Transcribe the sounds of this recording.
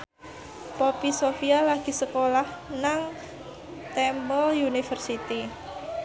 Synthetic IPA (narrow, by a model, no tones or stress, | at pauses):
popisofialaɡ̥i̤səkolahnaŋ | t̪ɛmbɔljunifərsit̪i